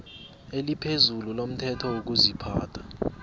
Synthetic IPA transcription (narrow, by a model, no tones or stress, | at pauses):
elipʰezululom̩tʰɛtʰɔwok̬uzipʰaːtʰḁ